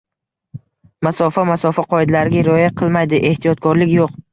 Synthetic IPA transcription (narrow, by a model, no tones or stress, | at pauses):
masɒfamasɒfaqʰɒɪd̪laɾɪɡʲaɾɒjaqʰɨlˠmajd̪ɪʔe̞ht̪ʰijɒt̪̚kʰɒɾlɪkʲjoq̚